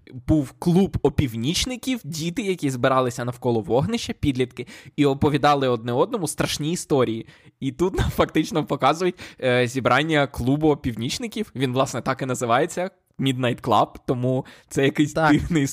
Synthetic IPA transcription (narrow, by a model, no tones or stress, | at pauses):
buwklˠubɔpʲiwnʲit͡ʃnɪkʲiwdʲit̪ɪjɐkʲizbɪɾɑlˠɪsʲɐnɐwkɔlˠɔʋɔɦnɪʃt͡ʃɐpʲid̪lʲit̪kɪiɔpɔʋʲid̪ɑlˠɪɔd̪̚nɛɔd̪̚nɔmʊst̪ɾɐʃnʲiːst̪ɔɾʲijiit̪ut̪nɐfɐkt̪ɪt͡ʃnɔpɔkɑzʊjʊtʲzʲibɾɑnʲːɐklˠubʊɔpʲiwnʲit͡ʃnɪkʲiwʋʲinʋlˠɑsnɛt̪ɑkɪnɐzɪʋɑjet͡sʲːɐ | mʲid̪nɐjt̪klˠɑ̰b̚t̪ɔmut̪sɛjɐkɪjsʲɪwnɪj